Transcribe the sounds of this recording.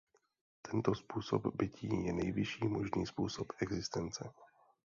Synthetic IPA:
t̪ʰɛnt̪ospuːso̰bbɪcʰiːjɛnɛjvɪʃiːmo̞ʒniːspuːsopɛɡzɪst̪ɛnt͡sɛ

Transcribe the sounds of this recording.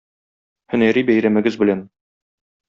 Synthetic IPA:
hɵ̆næɾibæjɾæmɘ̆ɡɘzbɘ̆læn

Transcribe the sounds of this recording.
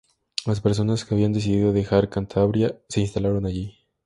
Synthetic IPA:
laspe̞ɾs̬o̞naskeaβiand̪e̞s̬iðiðo̞ðe̞xaɾkant̪ʰaβɾjase̞inst̪alaɾo̞naʝi

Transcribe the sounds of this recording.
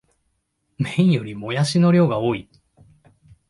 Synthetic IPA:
mẽ̞ĩɰ̃jo̞ɾʲimo̞jaɕino̞ɾʲo̞ːɡao̞ːi

